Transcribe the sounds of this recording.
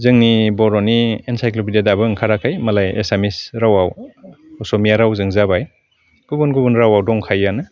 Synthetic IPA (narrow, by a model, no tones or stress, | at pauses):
zɯŋnibɔɾɔniensajklopʰidedabɯŋkʰaɾakʰajmalajḛsamisɾawawɔsɔmijaɾawzɯŋzabaj | ɡ̥ubunɡubunɾawawdɔŋkʰajanɯ